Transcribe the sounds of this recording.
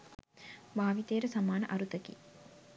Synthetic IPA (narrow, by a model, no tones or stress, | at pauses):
baːʋit̪eːɾəsamaːnə̰ʔaɾut̪əkḭ